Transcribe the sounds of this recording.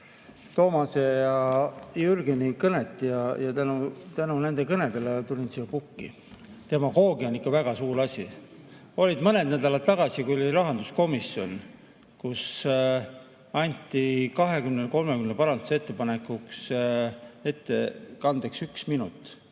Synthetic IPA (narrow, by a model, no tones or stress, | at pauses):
t̪o̞ːmɑsejɑjyrɡenʲikɤne̞t̪ːˑjɑjɑt̪ænut̪ænune̞nd̪e̞kɤne̞d̪e̞let̪ulʲinsiɑpukːḭ | t̪e̞mɑɡo̞ːɡionːikːɑvæɡ̥ɑsuːɾɑsʲi | o̞lʲid̪mɤne̞d̪næd̪̥ɑlɑt̪̚t̪ːɑɡ̥ɑsikuloliɾɑɦɑnd̪̥usko̞misjo̞n | kus | ɑnʲt̪ːˑikɑɦe̞kymneko̞lme̞kymnepɑɾɑnd̪̥uset̪ˑːe̞pɑne̞kːˑuks | e̞t̪ːˑekɑnd̪̥eksyksminut̪ːˑ